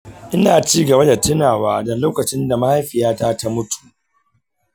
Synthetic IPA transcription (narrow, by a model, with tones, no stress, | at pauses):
ʔɪ˦naː˨t͡ʃiː˦ɡɐ˨ba˦da˨tɪ˦naː˨waː˦dɐ˨loː˦kɐ˨t͡ʃɪ˦nda˨ma˦ha˦jɸɪ˨jaː˦taː˦ta˦mʊ˦tʰu̥˨ʔ